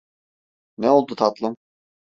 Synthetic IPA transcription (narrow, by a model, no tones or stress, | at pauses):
nɛolˠd̪ut̪ʰat̪lˠɯm